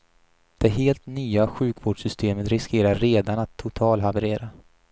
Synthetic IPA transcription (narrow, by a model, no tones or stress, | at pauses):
d̪̥ɛɦeːlt̪nyːaɧʉ̟ːkvoːɖʂʏst̪ʰeːmət̪ɾɪskeːɾaɾːeːd̪anat̪ʰːʊt̪ʰɑːlɦavɛɾeːɾa